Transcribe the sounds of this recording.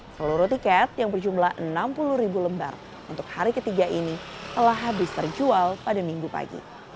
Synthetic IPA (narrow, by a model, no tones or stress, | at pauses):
səluɾut̪ikɛt̪̚jaŋbərd͡ʒumlahʔənampuluɾibuləmba̰r | unt̪ʊk̚haɾikət̪iɡaʔinit̪əlaɦbist̪ərd͡ʒualpadamiŋɡupa̰ɡḭ